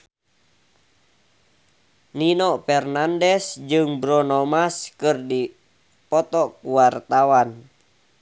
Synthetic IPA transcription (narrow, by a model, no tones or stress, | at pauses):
ninɔpɛrnandɛsd͡ʒɨŋbɾɔnɔmaskɨrdi | pɔt̪ɔkuwart̪awan